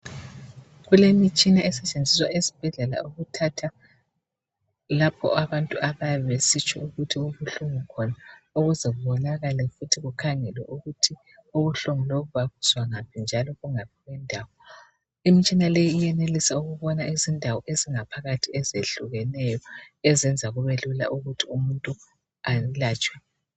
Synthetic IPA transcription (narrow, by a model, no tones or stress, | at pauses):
ɣulemit͡ʃʼinaɛsɛt͡ʃʼend͡zʱiswaezib̥ʱɛɮɛla̰uɣutʰatʰa | lapʰɔ̰aβantʼuʔaβaβesit͡ʃʼɔ̰uɣutʰiuβuɬuŋukʰɔnaoɣuzɛɣuβɔnaɣalɛfutʰiɣukʰaŋɛlwɛ̰ʔuɣutʰi | uβuɬuŋuloβuβaɣuzwaŋapʰind͡ʒʱalɔɣuŋap̚ʰiɣwɛndʱaːwɔ | imit͡ʃʼinalejiːjɛnelisauɣuβɔnaizindʱawɔʔeziŋapʰaɣatʰiɛzeɬuɣɛnɛjɔɛzɛnd͡zʱaɣuβelula̰ʔuɣutʰiumuntʼu | alaːt͡ʃʼwɛ